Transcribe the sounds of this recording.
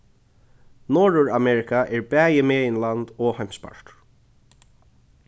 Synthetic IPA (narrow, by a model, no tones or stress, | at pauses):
nɔːɹʊɹamɛɹɪkaʔɛɹbɛːjɪmeːjɪnland̪ɔhajm̥spa̰ɹ̥t̪